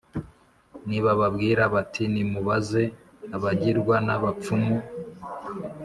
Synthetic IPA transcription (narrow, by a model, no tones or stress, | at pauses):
niβaβabɡiːɾaβatʰinimuβaze̞ | aβaɟiɾɡwanaβap͡fumu